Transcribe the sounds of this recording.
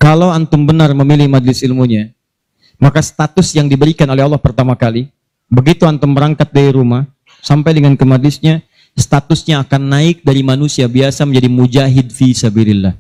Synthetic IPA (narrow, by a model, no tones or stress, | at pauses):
kalawant̪ʊmbənarməmilɪhmadlɪsɪlmuɲa | makast̪at̪ʊsjaŋdibəɾikanolɛhalːɑhpərt̪amakali | bəɡit̪uant̪ʊmbəɾaŋkat̪̚daiɾumah | sampajdəŋankəmadlɪsɲa | sə̥t̪at̪ʊsɲaːkanːaɪk̚daɾimanusiabiasaməɲd͡ʒadimud͡ʒaɦɪd̚fisabilɪlːah